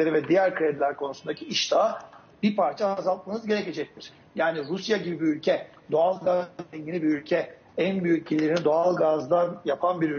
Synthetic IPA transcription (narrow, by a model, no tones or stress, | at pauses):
eɾivɛd̪ijæɾkʰɾed̪ilʲæɾkʰo̞nusund̪acʰiiʃd̪ʰaː | b̥ipʰaɾt͡ʃʰazalˠt̪̚manɯzɟe̞ɾɛce̞d͡ʒɛc̚t̪ʰiɾ̥ | jaːniɾusjaɟibibiylʲcʰɛ | d̪o̞alˠɡazɛɲɟinibiylʲcʰɛ | ænbyjyc̚cilʲeɾinid̪o̞alˠɡazd̪anjapʰanbiɾy